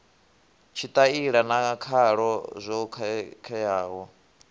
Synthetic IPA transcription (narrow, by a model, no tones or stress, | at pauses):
t͡ʃʰit̪ʼaiɺanaakʰaɺɔzʷɔkʰkʰɛjaːwɔ